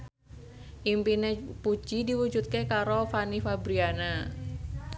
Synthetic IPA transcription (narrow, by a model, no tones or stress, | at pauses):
ʔimpinepud͡ʒidiwud͡ʒut̪̚kekaɾofanifabɾiana